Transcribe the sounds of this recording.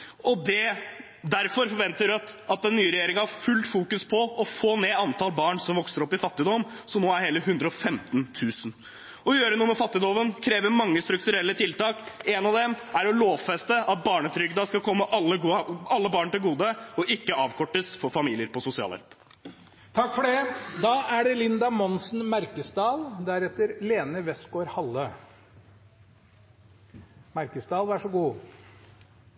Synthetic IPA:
ɔd̪ɛ | d̪æɾfɔɾfɔɾʋɛnt̪əɾt̪ɑt̪̚d̪ɛnːyːɾɛjeːɾɪŋɑhɑɾfʉlt̪fuːkʉspʰɔɔfoːneːɑnt̪ʰɑlbɑːɳsɔmʋɔksəɾɔpːɪfɑt̪ːɪd̪ɔm | sɔmoːæɾheːləɦʉnd̪ɾəɔfɛmt̪nt̪ʰʉːsən | ɔjøːɾənuːəmɛfɑt̪ːɪd̪ɔʋənkʰɾeːʋəɾmɑŋːəst̪ɾʉk̚t̪ʉɾɛlːət̪ʰɪlt̪ɑːkɛnɑʋd̪ɛmæɾɔloːʋfɛst̪əʔɑt̪̚bɑːɳət̪ʰɾʏɡd̪ɑskɑkʰɔmːəʔɑlːəɡuɑlːəbɑːɳt̪ɪlɡuːd̪əɔʔɪkːəɑːʋkʰɔʈːəsfɔɾfɑmiːlɪəɾpɔsʊsɪɑ̰ːlɑ̰ɾp | t̪ʰɑkːfɔɖɛd̪ɑːʔæɖɛlɪnd̪ɑmɔnsn̩mæɾkəsd̪ɑːld̪æɾɛt̪ːəɾleːnəʋɛst̪ɡoːɾhɑlːə | mæɾkəsd̪ɑːlʋæʂɔɡuː

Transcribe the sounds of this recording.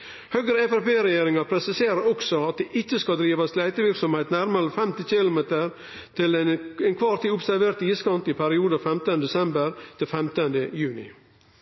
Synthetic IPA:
høːɡɾəɛfɛpeːɾɛjeːɾɪŋɑɾpʰɾɛsɪseːɾəɾɔksɔɑt̪̚d̪eːʔɪtːəskɑld̪ɾiːʋɑslæɪt̪əʋɪɾksɔmheːt̪næɾməɾəfɛmt̪ɪçɪlʊmeːt̪əɾ | t̪ʰɪlɛnkʰʋɑːɾt̪ʰiːʊpsæɾʋeːɾt̪iːskɑnt̪ɪpʰæɾɪuːd̪əfɛmt̪ənəd̪ɛsɛmbəɾt̪ʰɪlfɛmt̪ənd̪əjʉːnɪ̰

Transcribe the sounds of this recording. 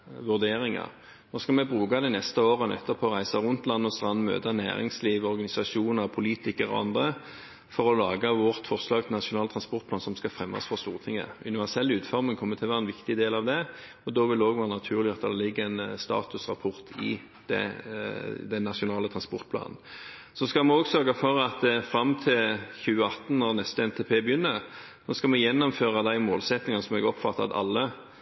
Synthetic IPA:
ʋʉʁd̪eːʁɪŋɑ̰ʁ | noːskɑlmɛbʁuːɡɑd̪æɪnɛst̪əoːʁənɛ̰t̪ːəpʰoːʁæɪsɑʁʊnt̪lɑnːɔst̪ʁɑnːmø̰ːd̪ɑnæ̰ːʁɪ̰ŋsliːʋɔʁɡɑnɪsɑʂuːnəʁpʰʊliːt̪ɪkəʁɔ̰ɑ̰nd̪ʁə | fɔʁɔlɑːɡəʋɔʁt̪fɔʁslɑːɡt̪ʰɪnɑʂʊnɑːlət̪ʰʁɑnspɔʁt̪̚pʰlɑːnsɔmskɑfɾɛmːɑ̰sfɔʁst̪uːʁət̪ʰɪŋːə̰ʉ̰nɪʋæʁsɛlːʉːt̪fɔʁmɪŋkʰɔmːət̪ʰɪlʋæːʁɛnʋɪkt̪ɪd̪eːlɑʋd̪ɛ | ɔd̪ɔʋɪld̪əoːɡʋɛːʁənɑt̪ʰʉːʁlɪɑt̪d̪ɑd̪ɛlɪɡːəænst̪ɑ̰ːt̪ʉsʁɑpʰɔʁt̪ʰɪ̰ | d̪̥ɛ̰ | d̪ɛnːɑʂʊnɑːlət̪ʰʁɑnspɔʁt̪̚pʰlɑ̰ːnn̩ | sɔskɑlmɛnɔːɡsœɾɡɑfɔʁɑt̪fɾɑmt̪ʰɪlçʉːəɑt̪ːn̩nɔɾnɛst̪əɛnt̪ʰeːpʰeːbəjʏnːəʁ | nɔskɑlmɛjɛnːɔmføːʁɑd̪æɪmoːlsɛt̪nɪŋənəsɔmɛɡɔpfɑt̪ːɑɑ̰t̪ɑ̰lːə

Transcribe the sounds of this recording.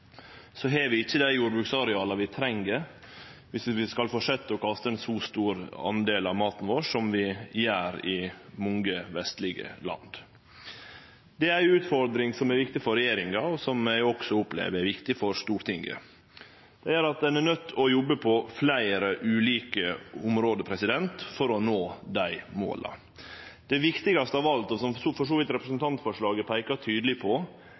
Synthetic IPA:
sɔɦeːʋɪɪçːəd̪æɪjuːɾbʉksɑɾɛɑːlɑʋɪt̪ʰɾɛŋɡəɾ | ʋɪsʋɪskɑlfɔʂɛt̪ːəɔkʰɑst̪əɛnsuːst̪uːɾɑ̰nd̪eːlɑʋmɑːt̪n̩ʋoːʂɔmʋɪjæːɾɪmʊŋɡəʋɛst̪lɪɡə̰lɑ̰nd̪ | d̪ɛæɾʉːt̪fɔɾd̪ɾɪŋsɔmæɾʋɪk̚t̪ɪfɔɾɛjeːɾɪŋɑɔsɔmæɪɔksɔʊplḛːʋəæɾʋɪkt̪ɪfɔɾʂt̪uːɾt̪ʰɪŋɡə̰ | d̪̥ɛæɾɑt̪̚d̪ɛnɛnœt̪ʰːɔjɔbːəpʰɔflæɪɾəʔʉːliːkəʊmɾoːd̪əpʰɾɛsɪd̪ɛnt̪fɔɾɔnoːd̪æɪmo̰ːlɑ̰ | d̪̥ɛʋɪkt̪ɪɡɑst̪əɑːʋɑlt̪ɔsɔmsfɔʂoːʋɪt̪ɾɛpɾəsənt̪ʰɑnt̪fɔʂɭɑːɡəpʰæɪkɑt̪ʰyːd̪lɪpʰɔ

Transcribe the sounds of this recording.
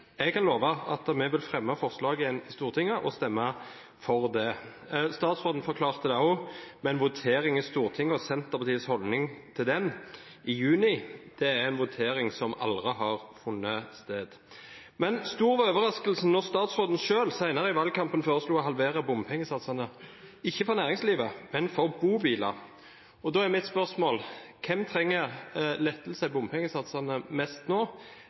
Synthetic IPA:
ɛɡ̚kɑnloːʋɑɑt̪mɛʋɪlfʁɛmːɑfɔʁslɑːɡəjɛnɪst̪uːʁt̪ʰɪŋːəʔɔst̪ɛmːɑ | fɔʁd̪ɛ | st̪ɑːt̪sʁoːd̪n̩fɔʁkʰlɑːʁt̪əd̪ɛʊmɛnʋʊt̪ʰeːɾɪŋɪst̪uːʁt̪ʰɪŋːəɔsɛnt̪əʁpɑt̪ʰiːəshɔlnɪŋt̪ʰɪld̪ɛn | ɪjʉːnɪd̪̥ɛæɾɛnʋʊt̪ʰeːɾɪŋsɔmʔɑ̰ld̪ʁəɦɑʁfʊnːəst̪eːd̪̥ | mɛnst̪uːɾʋɑøːʋəɾʁɑskəlsən̩ɔʁst̪ɑːt̪sʁoːd̪n̩ʃøːlsæɪnɑʁəɪʋɑːlkʰɑmpənføːʁəsluːɔɦɑlʋeːɾəbʊmpʰɛŋːəsɑt̪sɑnəɪçːəfɔʁnæːʁɪŋsliːʋəmɛnfɔʁbuːbiːlɑ̰ | ɔd̪oːæmɪt̪spœʁsmoːlkʰɛmt̪ʰɾɛŋːəɾlɛt̪ːəl̩sæɪbʊmpʰɛŋːəsɑt̪sɑnəmɛst̪noː

